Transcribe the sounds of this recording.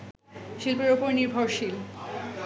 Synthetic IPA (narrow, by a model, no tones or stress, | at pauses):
ʃilpeɾopoɾniɾbʱoɾʃil